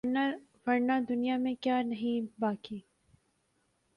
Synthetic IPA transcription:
ʋɐɾnad̪ʊnijamẽkjaːnɐɦĩbaːkiː

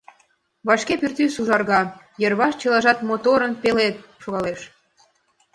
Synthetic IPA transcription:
βɑʃkepyrt̪ysuʒɑrɣɑ | jərβɑʃt͡ɕəlɑʒɑt̪mot̪oɾənpelet̪̚ʃoɣɑleʃ

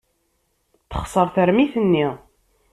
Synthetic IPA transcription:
θə̥χsˤəɾˤθəɾmiθənːi

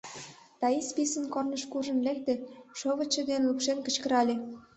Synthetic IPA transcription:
t̪ɑispisənkornəʃkuʒə̆nlek̚t̪eʃoβət͡ɕːĕd̪enlupʃenkə̥̆t͡ɕkəɾɑlʲe

